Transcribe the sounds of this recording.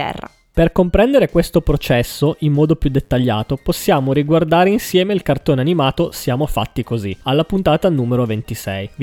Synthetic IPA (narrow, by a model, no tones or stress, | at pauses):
ɛ̰rːa̰ | perkompɾɛnd̪eɾekwest̪opɾot͡ʃɛsːoʔimːɔːd̪opjud̪ːet̪ːaʎːaːt̪oposːjaːmoɾiɡward̪aːɾeinsjɛːmeilkart̪oːneanimaːt̪osjaːmofa̰t̪ːikozialːapunt̪aːt̪anuːmeɾovent̪isɛ̰j